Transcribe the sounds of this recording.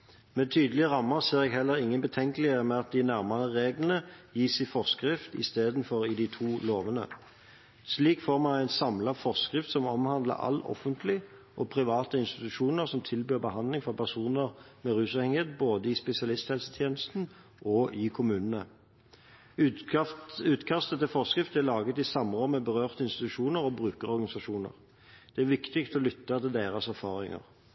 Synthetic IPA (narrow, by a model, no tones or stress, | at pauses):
mɛt̪ʰyːd̪əlɪəʁɑmːəʁseːʁɛɡɦɛlːəʁɪŋːənbət̪ʰɛŋkəlɪəmɛɑt̪̚d̪ɪnæʁmɑʁəʁeːɡlən̩əjiːsɛɪfɔʁskʁɪft̪ɪ̰st̪eːd̪n̩fɔʁɪd̪ɪt̪ʰuːloːʋənə̰ | sliːkfoːʁmæɡæɪnsɑmlɑʁfɔʁskʁɪft̪sɔmɔmhɑnd̪lə̰ʁɑ̰lɔ̰fənt̪ʰlɪ | ʔɔpʰʁɪʋɑːt̪əɪnst̪ɪt̪ʉʃuːnəʁsɔmt̪ʰɪlbyːʁbəhɑnd̪lɪŋfɔʁpʰæʁsuːnəʁ | mɛʁʉːsɑʋhɛŋəheːt̪̚boːd̪əɪspɛsɪɑlɪst̪hɛlst̪ʰjeːnəst̪n̩ | ʔɔʔɪkʰʊmʉːnənə | ʉːt̪kʰɑst̪ət̪ɛfɔʁskʁɪft̪ælɑːɡət̪ɪsɑmʁɔmːəbəʁøːʁt̪əɪnst̪ɪt̪ʉʂuːnəʁɔbʁʉːkəʁɔʁɡɑnɪsɑʃuːnə̰ʁ | d̪̥ɛæɾʋɪkt̪ɪk̚t̪ʰɔlʏt̪ːɑt̪ʰɪld̪eːʁɑsæʁfɑːʁɪ̰ŋə̰ʁ